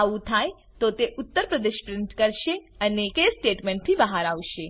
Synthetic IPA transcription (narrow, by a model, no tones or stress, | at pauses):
aʋũt̪ʰaj | t̪ot̪eʔʊt̪ːəɾpɾəd̪eʃpɾɪɳʈkəɾʃeənekesʈeʈmeɳʈ̚t̪ʰibəɦaɾaʋʃe